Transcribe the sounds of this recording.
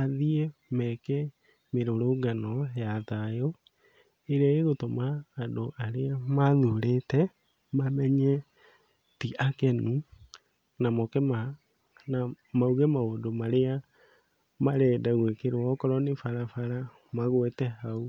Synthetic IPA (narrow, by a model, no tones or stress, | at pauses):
aðiemɛkɛ | meɾoɾoɡanɔjatajo | eɾaeɣotɔmaːdoʔaɾeamaðuɾetɛ | mamɛɲɛ | tiʔakɛnu | namɔkɛma | na | mauɣɛmaoːdomaɾea | maɾɛːdaɣwekeɾwɔkɔɾɔnefaɾafaɾa | maɣwɛtɛhau